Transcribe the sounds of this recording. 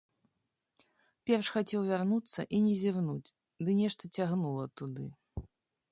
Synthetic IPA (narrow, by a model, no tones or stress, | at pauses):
pʲɛrʂxat͡sʲɛwvʲarnut̪sːɐ̰ʔinʲɛzʲirnud͡zʲ | d̪ɨnʲɛʂt̪ɐt͡sʲaɣnulˠɐt̪ud̪ɨ